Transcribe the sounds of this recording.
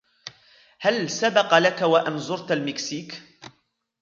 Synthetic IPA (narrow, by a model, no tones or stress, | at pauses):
halsabɑqɑlakwaʔanzʊɾt̪almɪksiːk